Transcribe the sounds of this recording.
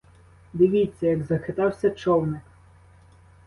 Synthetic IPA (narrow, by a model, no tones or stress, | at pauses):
d̪ɪʋʲit͡sʲːɐjɐɡzɐxɪt̪ɑwsʲɐt͡ʃɔwnɪk